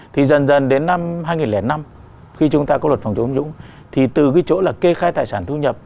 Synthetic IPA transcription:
t̪ʰi˨˩zə˨˩nzə˨˩nɗe˨˦nːa˧mɦaː˧jŋi˨˩nlɛ˧˩na˧m | xi˧t͡ɕʊ˨˦ŋ͡mt̪aː˧kɔ˨˦lwə˨˩t̚fa˨˩ŋ͡mt͡ɕo˨˦nzʊ̰˧˥ŋ͡m | t̪ʰi˨˩t̪ɨ˨˩ɣi˧˦t͡ɕo̰˧˥laː˨˩ke˧xaː˧jt̪aː˨˩jsaː˧˩nt̪ʰu˧ɲə˨˩p̚

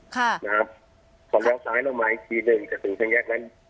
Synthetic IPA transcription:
kʰa˥˩na˧kʰa˦˥p̚ | kʰɔː˨˩˦lɛː˧˥˨wsaː˦jlɛː˧˩wmaː˨˩˨i˧t̪ʰiː˨˩nɯ˨˩ŋka˧˩t̪ʰɯ˨ŋkʰa˧˥˩nɡɛː˧˥˩k̚lɛ˦˧˥n

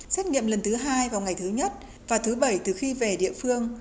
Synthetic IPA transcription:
sɛ˦˥t̚ŋḭ˧˨əmlə˨˩nt̪ɨ˨˦ɦaː˧jvaː˨˩wŋa˨˩jt̪ʰɨ˨˦ɲə˦˥t̚ | vaː˨˩t̪ʰɨ˨˦ɓə˧˩jt̪ɨ˨˩xi˧ve˨˩ɗḭ˧˨əfɨ˧əŋ

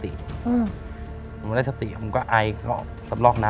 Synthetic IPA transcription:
t̪ḭ˨˩ʔɯː˧˩˨ | da˥˩sa˧t̪ḭ˨˩ʔma˧kaː˥˩ʔa˧jkɔ̰ː˥˩ | sa˨˩p̚lɔː˥˩k̚naː˦

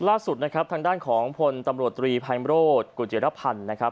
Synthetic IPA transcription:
laː˥˩su˨˩t̪̚na˦˥kʰɾp̚t̪ʰaː˧ŋdaː˥˩nkʰɔː˩˦ŋpʰo˧nt̪a˧mɾu˨˩ət̪ːɾiː˧pʰaː˧jmɾoː˥˩t̪̚kuː˧˩t͡ɕi˩˦ɾa˦˥pʰa˧nː˦˥kʰɾa˦˥p̚

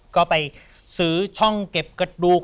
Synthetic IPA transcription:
kɔː˥˩pa˧j | sɯː˩˦t͡ɕʰɔ˥˩ŋke˨˩p̚kɾa˧duː˨˧˩k

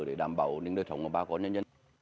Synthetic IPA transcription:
ɗe˧˩ɗaː˧˩mɓa̰ː˧˨wni˨˦ŋɗəː˧˩sʰə˨˦wŋ͡mʔəː˨˧˩ɓaː˧˩kɔ˨˦ɲə˧nzə˧

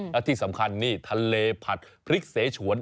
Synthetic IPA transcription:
lɛ˦˥t̪ʰiː˥˩sa˩˦mkʰa˧nːiː˥˩t̪ʰa˧leː˧pʰa˨˩t̪̚pʰɾi˦˥k̚seː˩˦t͡ɕʰu˩˦ən

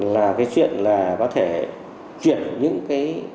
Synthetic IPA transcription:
laː˨˩kaː˨˦jt͡ɕwḭ˧˨ənlaː˨˩kɔ˨˦t̪ʰe˧˩ | t͡ɕi˧˩ənɲɨ̰˧˥ŋkaː˨˦j

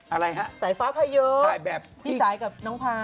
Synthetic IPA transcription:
ʔa˧ɾa˧jɦa˦˥saː˩˦jfaː˦˥pʰaː˧jɤː˦˥a˨˩˦bɛː˨˩p̚t̪ʰiː˦˥˦saː˩˦jka˨˩p̚nɔː˦˥ŋpʰaː˧

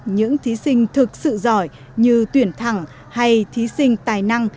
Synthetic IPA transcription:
ɲɨ̰˧˥ŋt̪ʰi˨˦sï˧ŋ̟t̪ʰɨ˨˩k̚sɨ̰˧˨zɔ˧˩j | ɲɨ˧t̪wi˧˩ənt̪ʰa˧˩ŋ | ha˧jt̪ʰi˨˦sï˧ŋ̟t̪aː˨˩jna˧ŋ

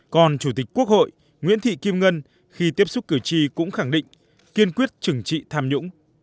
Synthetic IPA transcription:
kɔ˨˩nt͡ɕu˧˩t̪ï˨˩k̟̚ku˦˥ək̚ho̰˧˨j | ŋwḭ˧˥ənt̪ʰḭ˧˨ki˧mŋə˧n | xi˧t̪̬i˦˥əp̚sʊ˦˥k͡p̚kɨ˧˩t͡ɕi˧kʊ̰˧˥ŋ͡mxa˧˩ŋɗḭ̈˧˨ŋ̟ | ki˧ənkwi˦˥ət̚t͡ɕɨ˨˧˩ŋt͡ɕḭ˧˨t̪ʰaː˧mɲʊ̰˧˥ŋ͡m

